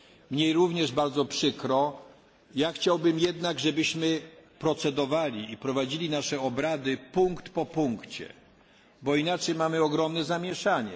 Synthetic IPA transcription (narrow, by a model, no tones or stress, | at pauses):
mɲejɾuvɲɛʐbaɾd̪zɔpʂɘkɾɔ | jaxt͡ɕawbɘmjɛd̪naɡʐɛbɘɕmɘpɾɔt̪sɛd̪ɔvalʲiipɾɔvad͡ʑilʲinaʂɛɔbɾad̪ɘpuŋkt̪pɔpuŋkt͡ɕɛ̰ | bɔinat͡ʂɛjmamɘɔɡɾɔmnɛzamʲjɛʂaɲɛ̰